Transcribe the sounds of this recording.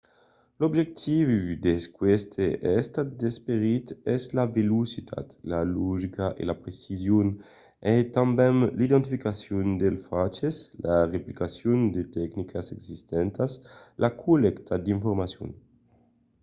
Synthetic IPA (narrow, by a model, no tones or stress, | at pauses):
lobʒek̚t̪ʰivud̪eskwest̪ʰeʔɛst̪ad̪espeɾit̪ɛslavelusit̪ʰa̰t̪laloʒikaʔḛlapɾesizjon | et̪ambɛnlid̪ent̪ifikasjond̪elfat͡ʃeslareplikasjund̪et̪ɛknikʰaseɡsist̪ɛnt̪aslʔakʰulekt̪ʰad̪iɱfoɾmasjo̰n